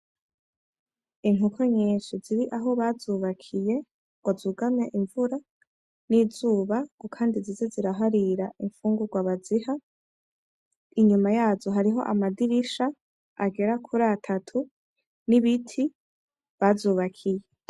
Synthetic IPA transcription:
iŋukʰoɲeːʃuziɾiʔaɦo̞βazuːβakʰije̞ | ɡwazuːɡamɲeʔiɱvuɾa | niːzuːβaɡ̥ukʰaːndizizeziɾaɦaɾiɾaʔiɱfuːŋɡuɾɡwaβaziha | iɲumajaːzo̞ɦaɾiɦo̞̰ʔa̰madiɾiʃa | aɡe̞ɾakʰuɾatʰatʰu | niβitʰi | βazuːβakʰije̞

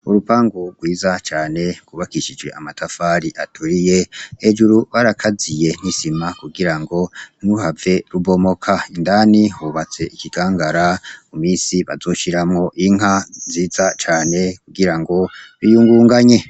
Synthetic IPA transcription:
uɾupaːŋɡuɡ̥wiːzat͡ʃaːne̞ɡ̥wuβakiʃid͡ʒwe̞̰amatʰafaːɾiʔatʰuɾije̞ed͡ʒuɾuβaɾakʰazije̞n̥isimakuɡiɾaŋɡo̞nuhave̞ɾuβo̞mo̞kʰaindaːnihuβat͡se̞ikiɡaːŋɡaɾamumiːnsiβazo̞ːʃiɾamŋo̞ʔiŋɦaziːzat͡ʃaːne̞kuɡiɾaŋɡo̞ɾijuːŋɡuːŋɡaɲe̞

